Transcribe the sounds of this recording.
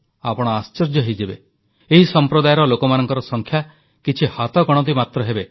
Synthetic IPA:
a̰pɔɽ̃ɔast͡ʃɔɾd͡ʒɔɦejd͡ʒebḛ | eɦisɔmpɾod̪ajɾɔlokɔmanɔŋkɔɾɔsɔŋkʰja | kit͡ʃʰihat̪ɔɡɔɽ̃ɔt̪̬imat̪ɾɔɦebe

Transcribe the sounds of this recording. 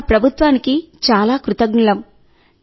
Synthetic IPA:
pɾɐbʱut̪ʋaːnikit͡ʃaːlaːkɾut̪ɐɡnɐlɐm

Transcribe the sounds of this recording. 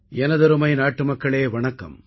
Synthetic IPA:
ɛnɐðɐɾɯmɐɪnaːʈːɯmɐkːɐɭeːʋɐɳɐkːɐ̰m

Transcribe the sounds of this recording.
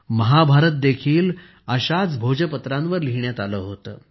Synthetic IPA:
məɦabʱaɾət̪̚d̪ekʰiːl | əɕat͡sbʱod͡ʑəpət̪ɾãnʋəɾliɦɳjat̪aləːɦot̪ə̰ː

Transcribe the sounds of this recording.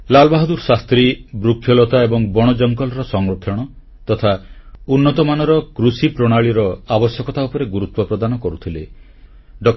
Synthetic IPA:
lalɔbaɦɔd̪uɾsast̪ɾibɾukʰːjɔlɔt̪aebɔŋbɔɽ̃ɔd͡ʒɔŋkɔlɔɾɔsɔŋɾokʰjɔɽ̃ɔ | t̪ɔt̪ʰaunːɔt̪ɔmanɔɾɔkɾusipɾɔɽ̃aɭiɾɔabɔsjɔkɔt̪aupɔɾeɡuɾut̪wɔpɾɔd̪anɔkɔɾut̪ʰile | ɖɔk

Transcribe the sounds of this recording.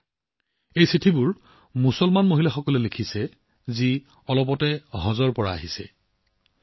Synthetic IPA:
ejsitʰibʊɹ | musɔlmanmoɦilaxɔkɔlɛlekʰisɛ | zi | ɔlɔpɔtɛɦɔzɔɹpɔɹaa̰ɦisɛ̰

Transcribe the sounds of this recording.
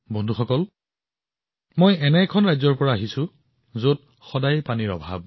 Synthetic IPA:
bɔndʱuxɔkɔl | mojɛnɛkʰɔnɹajzɔɹpɔɹaːɦisʊ̃ | zot | xɔdajpaniɹɔ̰bʱa̰b̚

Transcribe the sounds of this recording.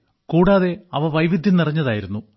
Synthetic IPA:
kuːɽaːðe̞ɐʋɐʋɐjʋid̪ʱjɐnirɐɲːɐðaːjiɾunːu

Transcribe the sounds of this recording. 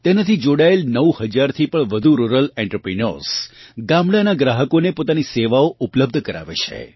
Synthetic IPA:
t̪enat̪ʰid͡ʒoɽaelnəwhəd͡ʒaɾt̪ʰipəɳʋəd̪ʱuɾuɾəlɛ̃ɳʈɾəpɾinoɾsɡamɽanaɡɾaɦəkonepot̪aniseʋaoupləb̚d̪ʱkəɾa̰ʋḛt͡ʃʰḛ

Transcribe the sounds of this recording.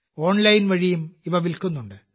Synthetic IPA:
o̞ːɳlɐjnʋɐɻijumiʋɐʋilkunːuɳɖɨ

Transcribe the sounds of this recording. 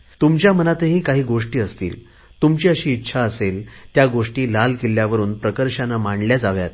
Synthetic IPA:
t̪umt͡ɕjamənat̪eɦiːkaɦiːɡoʂʈiːəst̪ḭːl | t̪umt͡ɕiːəɕiːtːɕʰaəselt̪jaɡoʂʈiːlalkeljaʋəɾuːnpɾəkəɾɕanamaɳɖljad͡zaʋja̰t̪

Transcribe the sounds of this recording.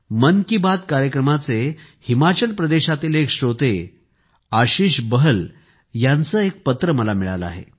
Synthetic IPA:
mənkibad̪kaɾjəkɾəmat͡se | himat͡ɕəlpɾəd̪eɕat̪iːlekɕɾot̪e | aɕiːɕbəɦəl | jant͡səːek̚pət̪ɾəməlamiɭa̰ləa̰ɦḛ

